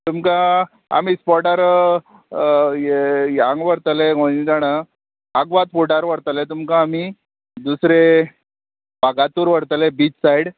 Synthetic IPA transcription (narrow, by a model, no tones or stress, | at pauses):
t̪umka | a̰miːspɔʈaɾ | jaŋɡʋəɾt̪əleɡoid͡zaɽ̃ə | aɡʋat̪puʈaɾʋəɾt̪əlet̪umkaːmi | d̪usɾe | baɡat̪uːɾʋəɾt̪əlebiːt͡ssajɽ